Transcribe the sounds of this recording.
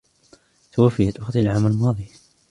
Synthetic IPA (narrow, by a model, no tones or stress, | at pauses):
t̪awafːɪjat̪wɑqt̪ˤlʕaːmalmɑːðˤi